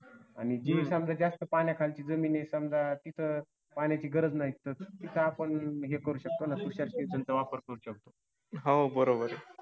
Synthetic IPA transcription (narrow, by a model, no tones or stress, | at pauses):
a̰ñid͡ʑisəmd͡zad͡zast̪əpanjakʰalt͡ɕiːd͡zəmiːnesəmd͡zat̪it̪ʰə | panjat͡ɕiːɡəɾəd͡znaɦit̪ət̪it̪ʰaːpəɳɦekəɾuːɕək̚t̪onasoɕəlsʈesənt͡səʋapəɾkəɾuːɕək̚t̪o | ɦabəɾobəɾ